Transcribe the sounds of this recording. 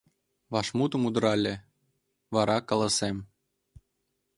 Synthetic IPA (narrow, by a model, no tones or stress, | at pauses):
βɑʃmut̪ə̆mud̪ɾɑlʲĕ | βɑɾɑkɑlˠɑsem